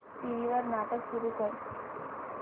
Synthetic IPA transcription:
ʈiʋiʋaɾnaːʈəkʃuɾukəɾ

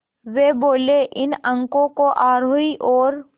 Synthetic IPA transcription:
ʋeboːleʔɪnə̃ŋkõkoʔaːɾoiʔɔːɾ

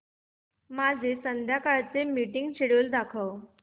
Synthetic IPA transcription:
mad͡zʱesənd̪ʱjakaɭt͡semiʈiŋɡt͡ɕeɽuːld̪akʰəw

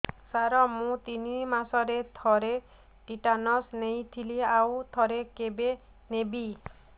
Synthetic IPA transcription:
saɾɔmũt̪inimasɔɾet̪ʰɔɾe | ʈiʈanɔsnej̃t̪ʰiliawt̪ʰɔɾekebe | nebi

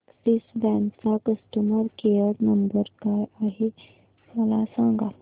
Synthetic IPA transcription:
sisdæ̃nsakəsʈəməɾkejəɾnəmbəɾkajaɦe | əlasãŋɡa

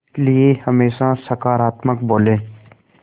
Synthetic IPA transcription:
liehəmeːʃasəkaːɾaːt̪məkboːlẽː

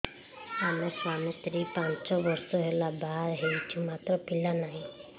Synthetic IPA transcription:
ameswamit̪ɾipant͡ʃɔbɔɾsɔɦelabaɾɦejt͡ʃʰumat̪ɾɔpilanaɦĩ

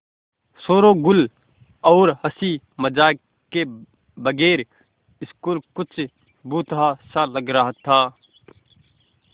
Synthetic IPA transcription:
soːɾoɡʊl | ɔːɾɦəsi | məd͡ʒaː | ke | bəɡeːɾ | ɪskuːlkʊt͡ʃʰ | buːt̪ɦasaləɡɾaɦt̪ʰaː

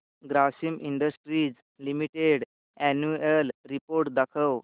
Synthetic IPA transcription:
ɡɾasimiɳɖəsʈɾiːd͡z | limiʈeɽ | ɛnuəlɾipoɾʈd̪akʰəw

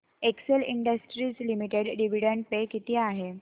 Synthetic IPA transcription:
ekselḭɳɖəsʈɾiːd͡zlimiʈeɽɖiʋiɽəɳɖpekit̪iːaɦe

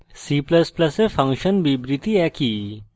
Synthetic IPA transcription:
siːplɐsplɐsefʰɐ̃ŋkʃənbibɾɪt̪iɛki

